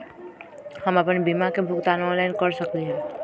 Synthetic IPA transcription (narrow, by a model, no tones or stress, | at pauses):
hamapanibimakebʱuk̚t̪anɔnlajnkɔɾsɔkliɦa